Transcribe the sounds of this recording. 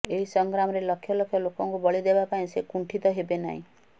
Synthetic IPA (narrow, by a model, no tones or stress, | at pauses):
eɦisɔŋɡɾamɔɾeləkʰːjɔləkʰːjɔlokɔŋkubɔɭid̪ebapaĩsekuɳʈʰit̪ɔɦebena̰ɦḭ̃